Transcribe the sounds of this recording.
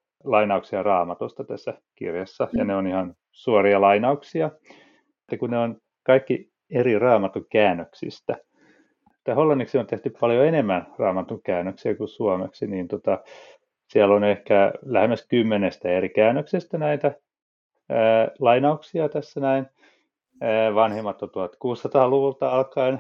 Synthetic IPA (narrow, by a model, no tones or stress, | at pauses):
lɑinɑuksiɑrɑːmɑt̪ost̪ɑt̪æsːækḭrjɑsːɑjɑneonihɑn | suoriɑlɑinɑuksiɑ | et̪ːækuneon | kɑikːi | erirɑːmɑt̪uŋkæːnːøksḭst̪æ | ut̪ːæholːɑnːiksiont̪eht̪yppɑljoenemːænrɑːmɑt̪uŋkæːnːøksiækusuɑmḛksiniːnt̪ot̪ɑ | siælːonehkælæhemːˑæskymːenest̪æerikæːnːˑøksist̪ænæit̪æ | əːlɑinɑuksiɑt̪æsːænæinː | ʋɑnhemːɑt̪ːont̪uɑt̪kuːsːɑt̪ɑːluʋult̪ɑɑlkɑin